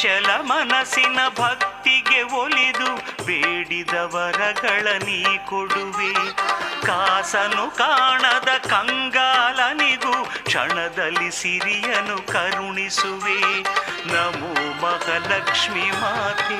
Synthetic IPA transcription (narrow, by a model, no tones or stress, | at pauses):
t͡ʃɛlɐmɐnɐsinɐbʱɐk̚t̪iɡeolid̪ubeːɽid̪ɐʋɐɾɐɡɐɭɐnikoɽuʋekaːsɐnukaːɳɐd̪ɐkɐŋɡaːlɐniɡukʂɐ̰ɳɐd̪ɐlːisiɾijɐnukɐɾɳisuʋenɐmumɐhɐlɐkʂmimaːt̪i